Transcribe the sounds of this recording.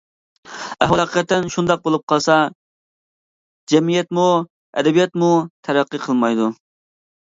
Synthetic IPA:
æhwɑæqʰə̥qɛt̪ːɛnʃund̪ɑq̚bolˠup̚qʰɑlˠsɑ | d͡ʒɛmijɛt̪mu | ɛ̰d̪ɛbijɛt̪mut̪ʰæɾæqːɨqʰəlˠmɑjd̪u

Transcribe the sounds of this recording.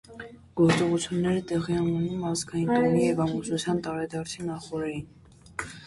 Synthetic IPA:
ɡ̥ɔɾt͡sɔʁut͡sʰjunːɛɾət̪ɛʁiɛnunumɑzɡɑjint̪ʰɔmijɛvɑmusut͡sʰjɑnt̪ɑɾɛd̪ɑɾt͡sʰinɑχɔɾɛjin

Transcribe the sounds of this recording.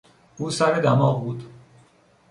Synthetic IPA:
ʔuːsæɾed̪æmɒːʁbuːd̪

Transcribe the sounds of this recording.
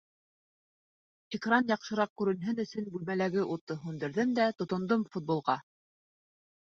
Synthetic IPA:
ɪkrɑnjɑqʃɤ̆ɾɑq̚kʉɾɘ̆nɦɘnɵ̆sɵnbʉlmælæɡɘʔut̪ːɤɦʉnd̪ɘ̆ɾðɘmd̪æt̪ŏt̪ŏnd̪ɤmfut̪̚bolˠʁɑ

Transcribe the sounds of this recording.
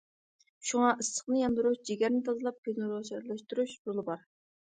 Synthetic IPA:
ʃuŋɑʔɨsə̥χnɨjɑnd̪ɨɾuʃd͡ʒeɡʲæɾnɪt̪ʰɑzɨlˠɑp̚kʰenɨɾoʃɛɾlˠɛʃt̪uɾuʃɾolˠɨbɑɾ

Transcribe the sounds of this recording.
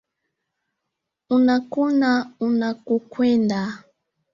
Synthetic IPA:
unakunaunakukwɛnda

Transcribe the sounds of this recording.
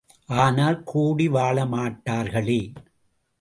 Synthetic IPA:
ʔaːnaːlkʰuːɽiʋaːɭɐmaːʈːaːɾɣɐɭeː

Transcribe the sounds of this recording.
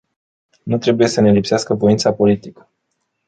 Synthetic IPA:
nut̪ɾe̞buje̞səne̞lipseaskəvo̞int̪sapo̞lit̪ikə̥

